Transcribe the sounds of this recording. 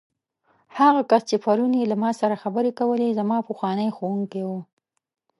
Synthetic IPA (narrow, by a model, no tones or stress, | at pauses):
haɣakast͡ʃepaɾunjelamɑsaɾaxabəɾekawəlezamɑpəxwɑnəjxowuŋkewu